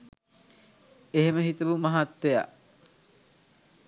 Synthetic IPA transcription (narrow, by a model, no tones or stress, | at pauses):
eɦeməɦit̪əʋumaɦat̪ːeja̰ʔ